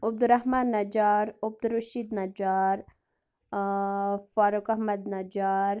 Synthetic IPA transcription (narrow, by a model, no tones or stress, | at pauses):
ʊb̚d̪uɾɐɦmaːnːɐd͡ʒaːɾʊb̚d̪uɾuʃiːd̪nɐd͡ʒaːɾ | faːɾukɐɦmɐd̪nɐd͡ʒaːɾ